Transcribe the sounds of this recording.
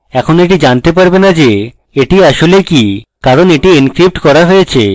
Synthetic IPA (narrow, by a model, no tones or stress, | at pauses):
ɛkʰoneʈid͡ʑant̪epaɾbenad͡ʑe | eʈiaʃolekikaɾoneʈiinkɾip̚ʈkɔɾaɦojet͡ɕʰḛ